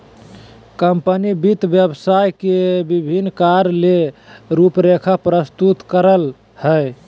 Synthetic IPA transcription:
kəmpənibit̪bjəbsajkebibʱinːkaɾleɾupɾekʰapɾəst̪ut̪kəɾəl | həj

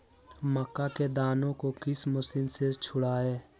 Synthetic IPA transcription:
məkːaked̪aːnõkokɪsməsɪnset͡ʃʰʊɽaːeː

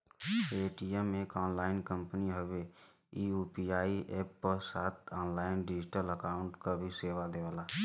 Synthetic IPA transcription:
eːʈiɛmẽkaːnlaːɪnkə̃mpniɦəʋe | iːuːpiaːiʔeːpːəɾsaːt̪ʰaːnlaːɪnɖɪd͡ʒɪʈələkaːʊ̃ɳʈkabʱiseːʋad̪eːʋaːlaː

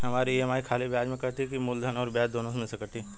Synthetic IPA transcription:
ɦɐmaːɾijeɦɐmaːikʰaːlibaːd͡ʒmẽkɐɦt̪iɛkimʊld̪ʱənɔːɾbjaːd͡ʒd̪oːnõsmesekɐɾt̪iɛ

